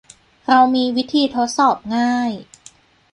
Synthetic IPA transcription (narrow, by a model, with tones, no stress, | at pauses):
ɾa˧wmiː˧wi˦˥t̪ʰiː˧t̪ʰo˦˥t̪̚sɔː˨˩p̚ŋaː˥˩j